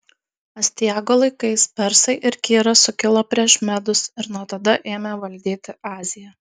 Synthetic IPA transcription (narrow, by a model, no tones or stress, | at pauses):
ɐsʲt̪ʲɪjæːɡolˠɐɪkɐɪspʲɛɾsɐɪʔɪɾkʲiːɾɐsʊkʲɪlˠoːpʲɾʲiɛʃmʲæd̪ʊsɪɾnuɔt̪ɐd̪ɐʔeːmʲɛʋɐlʲd̪ʲiːt̪ʲɪɑːzʲɪjɛ